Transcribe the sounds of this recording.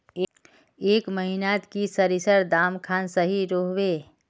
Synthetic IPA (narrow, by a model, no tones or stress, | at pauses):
eːkməɦinat̪kisəɾisəɾd̪aːmkʰaːnsəɦiɾoɦʋe